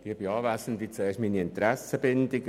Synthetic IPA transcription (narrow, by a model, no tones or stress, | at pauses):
ʋiːb̥iɑːvæsən̩tvit͡sɛːɐʃtmiːniɪnt̪ɾæsəbɪndɪɡ